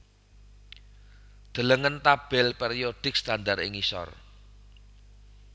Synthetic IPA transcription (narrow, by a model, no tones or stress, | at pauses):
d̪̥ə̤ləŋənt̪ab̥ɛlpeɾiod̥ɪk̚st̪andarɪ̰ŋisɔ̰r